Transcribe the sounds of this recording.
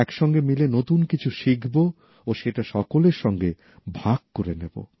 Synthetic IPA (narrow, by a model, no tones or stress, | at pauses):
ɛkʃɔŋɡemilenot̪unkit͡ɕʰuʃikʰbo | oʃeʈaʃɔkoleɾʃɔŋɡe | bʱaɡ̚koɾenebo̰